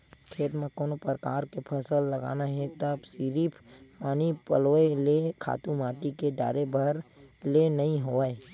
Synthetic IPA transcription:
kʰeːt̪mẽkoːnopəɾkaːɾkepʰəsəlːəɡa̰ːnaɦɛt̪əbsiːɾiːpʰpaːnipəloelekʰa̰ːt̪ũmaːʈikeɖa̰ːɾebʱəɾlenɐɦĩɦoae

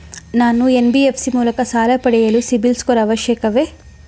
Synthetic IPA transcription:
naːnuenbiepʰsimuːlɐkɐsaːlɐpɐɽɛjɐlusibilskoɾɐɐʋɐʃjɛkɐʋeː

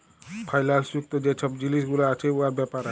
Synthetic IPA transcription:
pʰajlalsuk̚t̪ɔd͡ʒet͡ʃʰɔp̚d͡ʒilisɡulaat͡ʃʰeuaɾbɛpaɾa

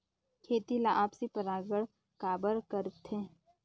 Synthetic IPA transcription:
kʰeːt̪ilaʔaːpsipəɾaːɡəɽ | kaːbəɾkəɾt̪ʰẽː

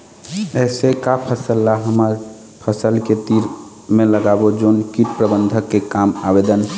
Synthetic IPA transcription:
ɛsekapʰəsəlːaɦəməɾ | pʰəsəlket̪iɾ | meləɡabod͡ʒonkiʈ̚pɾəbənd̪ʱəkːekamabed̪ən

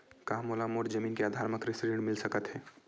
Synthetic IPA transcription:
kaɦmoːlamoːɾd͡ʒəmiːnkeaːd̪ʱaːɾməkɾɪsiɖẽɳmɪlsɐkət̪ɦɛː

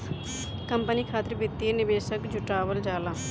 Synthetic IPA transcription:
kəmpəniːkʰaːt̪əɾbɪt̪ːienɪʋeːʃəkd͡ʒʊʈaːʋəld͡ʒaːlaː

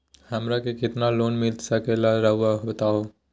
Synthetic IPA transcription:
hɐmɾakekɪt̪naloːnmɪld̪sɐkelaɾɐɦʊwaɦoət̪aːoː

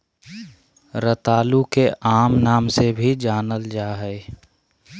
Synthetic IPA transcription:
ɾət̪aːlukeʔaːmnaːmsebʱid͡ʒaːnəld͡ʒaːɦɛɪ

